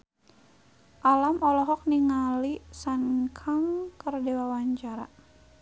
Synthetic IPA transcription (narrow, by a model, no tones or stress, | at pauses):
ʔalamɔlɔɦɔk̚niŋalisankʰaŋkərdewawaɲt͡ʃaɾa̰